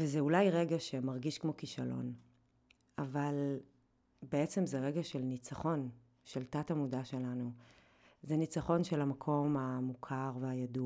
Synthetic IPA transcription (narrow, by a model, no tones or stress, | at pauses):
vezeulajʁeɡaʃemaʁɡiʃkmo̞kiʃa̰lo̞̰n | aval | beet͡se̞mzeʁeɡaʃelnit͡saχo̞n | ʃeltatamudaʃe̞lanu | zenit͡saχo̞nʃelamakʰo̞mamukʰaʁveajadu